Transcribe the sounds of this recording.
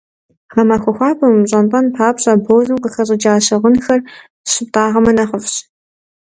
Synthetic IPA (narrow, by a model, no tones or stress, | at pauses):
ʁɐmɐxʷɐxʷɑːpʰʼɐmɕʼɐnpʼɐnpʰaːpɕʼɐboːzɨmqəxɐɕʼɐd͡ʒaːɕɐʁənxɐr | ɕɪp̚tʼaːʁɐmɐnɐχəfɕ